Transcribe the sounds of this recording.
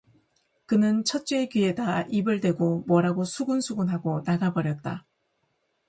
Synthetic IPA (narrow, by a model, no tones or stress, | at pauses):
kɯnɯnt͡ɕʰʌt̚t͡ɕ͈ekɥie̞daibɯɭdwe̞ɡomwʌɾaɡosʰuɡunsʰuɡunɦaɡonaɡabʌɾjʌt̚t͈a̰